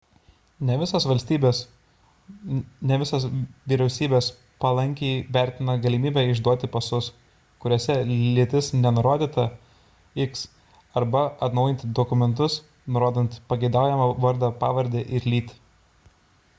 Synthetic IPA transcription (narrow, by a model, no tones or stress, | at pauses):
nʲɛʋʲɪsɐsʋɐlʲsʲt̪ʲiːbʲes | nʲɛʋʲɪsɐsʋʲiːɾʲɛʊsʲiːbʲeːs | pɐlˠɐŋʲkʲɛɪʋʲæˑɾʲt̪ʲɪnɐɡɐlʲimʲiːbʲɛːɪʒd̪uɔt̪ʲɪpɐsʊs | kʊɾʲoːsʲɛlʲɪt̪ʲɪsnʲɛnʊɾoːd̪ʲiːt̪ɐ | ɪks | ɐɾbɐɐt̪nɒʊjɪnʲt̪ʲd̪ɔkʊmʲɛnt̪ʊs | nʊɾoːd̪ɐnt̪pɐɡʲɛɪd̪ɑˑʊjɛmɐʋɐɾd̪ɑpɑ̰ːʋɐɾʲd̪ʲeːʔɪɾlʲiːt̪ʲ